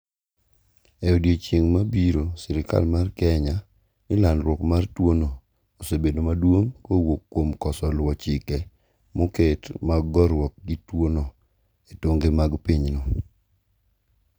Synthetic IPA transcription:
ɛodjet͡ʃeŋmabiɾosɪɾɪka̰lmarkɛɲa | nɪlanɾwɔkmartwono | osebedomadwoŋkowokːomkɔsɔlwɔt͡ʃɪkɛ | moketmaɡɡɔɾwɔk̚ɡɪtwono | etoŋɡemaɡpiɲno

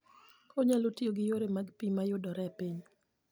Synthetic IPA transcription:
kʰɔɲalotioɡɪjoɾemaɡpimajʊdɔɾɛpiɲ

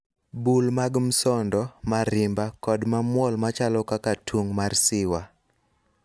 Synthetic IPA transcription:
bulmaɡm̩sɔndɔmaɾɪmbakɔdmamwɔlmat͡ʃalɔkakatʰuŋmarsɪwa

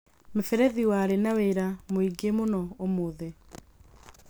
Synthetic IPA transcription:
mefɛɾɛðiwaɾenaweɾamoiɡemonɔomoðe

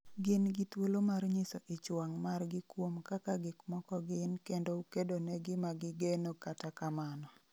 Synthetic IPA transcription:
ɡɪnɡɪt̪wolomarɲɪsɔʔɪt͡ʃwaŋmarɡɪkwomkakaɡɪkmɔkɔɡɪnkendoukedonɛɡɪmaɡɪɡenokatakamanɔ

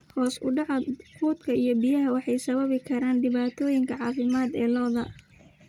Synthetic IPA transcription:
hɔːsʊ̰ɖɑʕɐqʰuːd̪kʰɐijɔbijɐɦɐwɑħɑjsɐβɐβɪkʰɐɾaːnɖɪβaːt̪ʰɔːjɪŋkʰɐʕɑːfɪmaːd̪ɛːlɔːðɐ

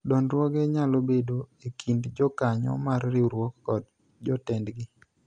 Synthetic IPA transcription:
dɔnɾwɔɡeɲalobedoekʰindd͡ʒɔkaɲɔ̰marːɪɾwɔkːɔd | d͡ʒɔtɛndɡɪ

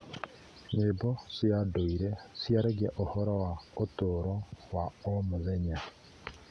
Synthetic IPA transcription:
ɲebosjadoiɾesjaɾeɡɛʔohɔɾɔwaotoɾɔwaomoðeɲa

